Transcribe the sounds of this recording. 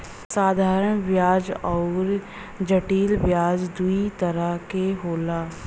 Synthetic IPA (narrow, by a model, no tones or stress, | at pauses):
saːd̪ʱaːɾəɳʋjaːd͡ʒɔːɾ | d͡ʒəʈiːlʋjaːd͡ʒd̪uit̪əɾəkeɦoːlaː